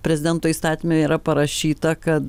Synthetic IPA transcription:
pʲɾʲɛzʲɪd̪ʲɛnt̪oːist̪ɑːt̪ʲimʲeiːɾɐpɐɾɐʃʲiːt̪ɐkɐt̪

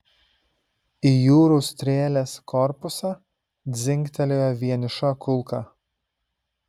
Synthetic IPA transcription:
ijuːɾust̪ʲɾʲeːlʲeːskʰɔɾpʊsɑ | d̪zʲɪŋʲkt̪ʲɛlʲoːjɛʋʲiɛnʲɪʃɐkʊlˠkɐ

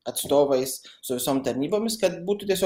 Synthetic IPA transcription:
ɐt̪st̪oːvɛjssʊʋʲɪsoːmt̪ɐɾʲnʲiːboːmʲɪskɐt̪̚buːt̪ʊt̪ʲɛsʲo

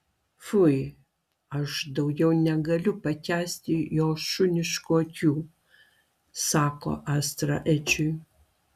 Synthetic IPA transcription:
fʊj | ɐʃd̪ɐʊɡʲɛwnʲɛɡɐlʲʊpɐtʲæːsʲt̪ʲɪjoːʃʊnʲɪʃkoːkʲuː | sɑːko̰ːʔast̪ɾɐ̰ʔɛt͡ʃʊj

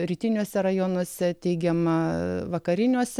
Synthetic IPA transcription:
ɾʲiːt̪ʲɪnʲuɔsʲɛɾɐjoːnuɔsʲɛt̪ʲɛɪɡʲɛmɐʋɐkɐɾʲɪnʲuɔsʲɛ

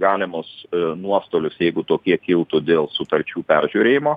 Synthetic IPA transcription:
ɡɑːlʲɪmʊsnuɔst̪oːlʲʊsjɛɪɡʊt̪oːkʲiɛkʲɪlˠt̪ʊd̪ʲeːlˠsʊt̪ɐɾʲt͡ʃʲuːpʲɛrʲʒʲuːɾʲeːjɪmoː

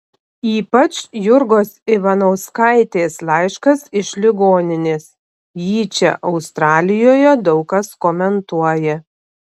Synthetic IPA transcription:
iːpɐt͡ʃjʊɾɡoːsɪʋɐnoʊskɑɪt̪ʲeːslˠɑɪʃkɐsɪʃʲlʲɪɡoːnʲɪnʲeːs | jiːt͡ʃʲɛ̰ʔɒʊst̪ɾɑːlʲɪjoːjɛd̪ɒʊkɐskoːmʲɛnt̪uɔjɛ

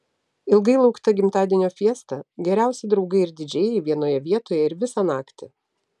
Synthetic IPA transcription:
ɪlˠɡɐɪlˠɐʊkt̪ɐɡʲɪmt̪ɑːd̪ʲɪnʲoːfʲiɛst̪ɐɡʲɛɾʲæˑʊsʲɛd̪ɾɒʊɡɐɪɪɾd̪ʲɪd͡ʒʲɛːjɛɪʋʲiɛnoːjɛʋʲiɛt̪oːjɛɪɾʋʲɪsɑnɑːkt̪ʲɪ

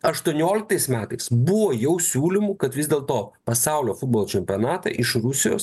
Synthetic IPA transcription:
ɐʃt̪uɔnʲoːlʲɪk̚t̪ɐɪsmʲæːt̪ɐɪsbʊʋoːjɛʊsʲuːlʲɪmukɐt̪ʋʲɪzd̪ʲeːlˠt̪oːpɐsɑˑʊlʲoːfʊd̪̚boːlˠːt͡ʃʲɛmʲpʲoːnɑːt̪ɐ̰ʔɪʃɾʊsʲɪjo̰ːs

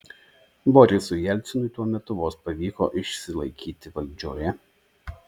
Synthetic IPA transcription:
bɔɾʲɪsʊjɛlʲt̪sʲɪnʊɪt̪uɔmʲɛt̪ʊʋoːspɐʋʲiːkɔ̰ːʔɪʃʲsʲɪlˠɐɪkʲiːt̪ʲɪʋɐlʲd͡ʒʲoːjɛ

